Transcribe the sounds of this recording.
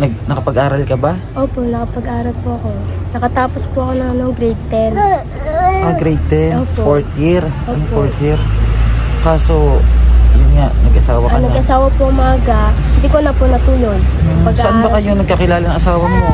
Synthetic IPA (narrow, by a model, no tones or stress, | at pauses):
nɐɡ̚nɐkɐpɐɡʔaːɾɐlkɐba | ʔoːponɐkɐpɐɡʔaːɾɐlpʊʔɐko̞ | nɐkɐt̪aːpospʊʔɐko̞nɐŋɐnoŋɡɾɛjd̪̚t̪ɛn | ɐɡɾɛjd̪̚t̪ɛnfoɹt̪jɪɾ | foɹt̪jɪɾ | kaːsojʊnŋaʔnɐɡʔɐsaːwɐkɐnɐɡʔɐsaːwɐpʊʔʊmaːɡɐhd̪ɪkonɐpʊnɐpuːjonpɐsɐʔanbɐkajʊŋnɐɡ̚kɐkɪlaːlɐnɐŋʔɐsaːwɐmo